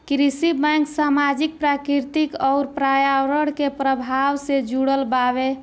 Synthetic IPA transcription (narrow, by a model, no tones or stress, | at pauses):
kɾisibɛŋksamad͡ʒik̚pɾakɾiɾt̪ikɔʊɾpɾajaɾəɽkepɾəbʱawsed͡ʒuɽəlbabe